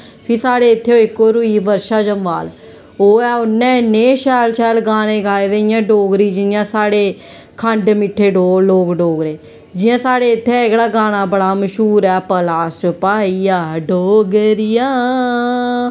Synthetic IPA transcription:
pʰɪːsaːɽeːɪt̪ʰːeːoːɪkːoːɾʊiːʋəɾʃaːd͡ʒəmʋaːl | oːɛːʊnːɛ̃ːɪneːʃɛːlʃɛːlɡaːneːɡaːed̪eɪjãːɖoːɡɾiːd͡ʒɪnɪjãːsaːɽeː | kʰəɳɖmɪʈʰːeːɖoːloːkɖoːɡɾeː | d͡ʒɪjãːsaːɽeːɪt̪ʰːeɪkɽaːɡaːñaːbəɽaːməʃuːɾɛːpəlaːst͡ʃəpaːiaːɖoːɡəɾɪjãː

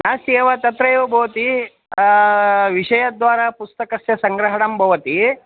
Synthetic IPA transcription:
naːseːʋɐt̪ɐt̪ɾɐjoːbʱɐʋɐt̪i | ʋiʂɐjɐd̪ʋaːɾapust̪ɐkɐsjɐsɐŋɡɾɐɦɐɽɐmbʱɐʋɐt̪i

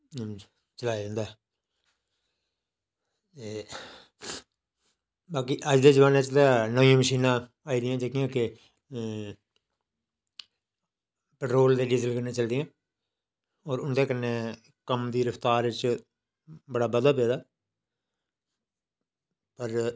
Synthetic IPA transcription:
t͡ʃəlaːid̪ə̃nd̪aɦɛ | eː | baːkiːʔəd͡ʒd̪eːd͡ʒəʋaːneːt͡ʃəld̪ãːnəjãːməʃiːnãː | aːiːd̪ɪjãːd͡ʒekɪjãːkɪ | pəʈɾoːld̪eːɖizəlkəɾneːt͡ʃəld̪ɪjãː | ɔːɾʊnd̪eːkənːeː | kəmd̪iːɾəpʰt̪aːɾɪt͡ʃ | bəɽaːbəd̪aːpeːd̪aː | pəɾ

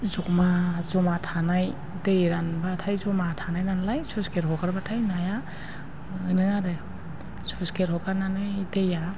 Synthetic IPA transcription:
zɔkmazɔmatʰanaj | tejɾanbatʰajzɔmatʰanajnanlajsuskeɾɦɔkaɾbatʰajnaja | ɯnɯaɾɯ | suskeɾhɔkaɾnanɯteja

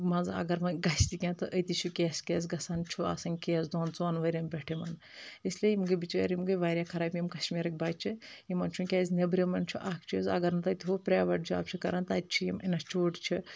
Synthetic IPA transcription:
mɐzɐ̰ɡɐɾmɐnɡɐst̪ikʲãːt̪ɨʔət̪it͡ʃʰukʲeːsʲkʲeːsɡɐsaːnt͡ʃʰua̰sɐŋʲkʲeːzd̪oːnt͡sʋanʋɐɾʲɐmbʲeʈʰimɐn | isliejimɡɨbit͡ʃaːɾimɡɨʋaːɾʲjakʰɐɾaːbʲjimkɐʃmiːɾɐk̚ʲbaːt͡ʃʰiimɐnt͡ʃʰunkʲaːzʲnɐbɾimɐnt͡ʃʰuʔaːkʰt͡ʃʰuzʲɐ̰ɡɐɾnɐt̪ɐt̪iʋopɾʲaːʋɐʈ̚d͡ʒʰua̰ːp̚t͡ʃʰikɐɾaːnt̪aːt̪̚ʲt͡ʃʰijiminɐt͡ʃʰuːʈt͡ʃʰi

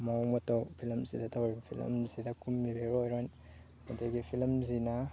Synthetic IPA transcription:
mawmɐtowpʰilmsidɐtʰawɾibɐpʰilɐ̰mzidɐkumːibeɾojɾojn | mɐteɡipʰilmzinɐ

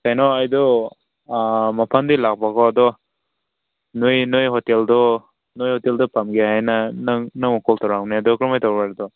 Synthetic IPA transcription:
sajnɔajdɔ | mapʰandilak̚bakʰɔadɔ | nujnojɦɔteldɔ | nojhɔteldɔpamɡehajnanaŋnɯŋmɔkʰɔltawɾaŋniadɔkɾɔmajtawbaɾdɔ

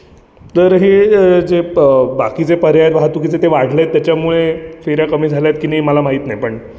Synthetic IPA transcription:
t̪əɾɦed͡zebakit͡sepəɾjajet̪ʋaɦat̪uk̬it͡set̪eʋaɽ̤laet̪ːjat͡ɕjamuɭefiɾjakəmiːd͡zʱalajet̪̚kiniməlamaɦit̪najpəɳ

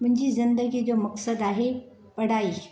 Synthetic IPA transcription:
mʊ̃ɦɪ̃ɲd͡ʑizɪnd̪əɡid͡ʑoːmɐksəd̪aːɦe | pɐɽ̤aːiː

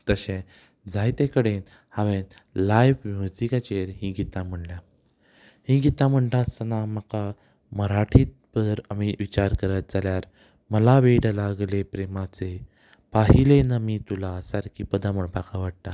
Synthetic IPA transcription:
t̪əɕẽ | d͡zʱajt̪ekəɽen | haʋenlajfmjud͡zikat͡ɕeɾɦĩɡit̪ãm̤əɳlja | hĩɡit̪ãm̤əɳʈ̪ãsənaməka | məɾaʈʰit̪̚bəɾamiʋit͡ɕaɾkəɾət̪̚d͡zaljaɾ | məlaʋeɽlaɡlepɾemat͡se | paɦilenəmit̪ulasaɾkʰipəd̪aməɳpakʰaʋaɽ̚t̪a

